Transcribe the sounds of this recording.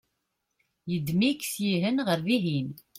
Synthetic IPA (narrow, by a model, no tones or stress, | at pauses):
jəd̪miksjiɦənʁəɾðiɦin